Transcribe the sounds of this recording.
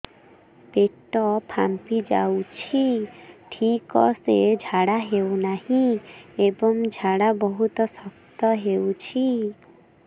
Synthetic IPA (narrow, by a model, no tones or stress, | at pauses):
peʈɔpʰampid͡ʒa̰wt͡ʃʰiʈʰikɔsed͡ʒʱaɽaɦewnahĩebɔŋd͡ʒʱaɽabɔɦut̪ɔsɔkt̪ɔɦewt͡ʃʰi